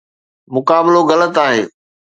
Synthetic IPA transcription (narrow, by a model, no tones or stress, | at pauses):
mʊkaːbɪloɣɐlət̪aːɦeː